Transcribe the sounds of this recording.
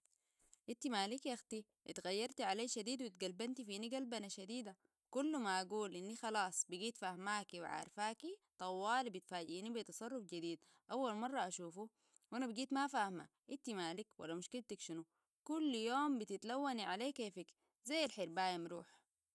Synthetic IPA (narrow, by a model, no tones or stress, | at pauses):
ʔit̪ːimaːlikjaxt̪i | ʔit̪ɣajːɑɾˤt̪iʕaleːʃad̪iːd̪wit̪̚ɡalbant̪ifiːniɡalbanaʃad̪iːd̪a | kulːmaʔaɡuːlʔinːixɑlɑːsˤbiɡiːt̪fahmaːkiw̰ʕa̰ːɾˤfaːkit̪ˤɑwːɑːlbit̪faːɟiːnibit̪ɑsˤɑrˤːufd͡ʒid̪iːd̪ | ʔawːalmɑrˤːɑʔaʃuːfu | wʔanabiɡiːt̪mafaːhma̰ | ʔit̪ːimaːlikwa̰lːamuʃkilt̪akʃinu | kulːjoːmbit̪it̪lawːaniʕaleːkeːfik | zajːalħiɾbaːjamɾuːħ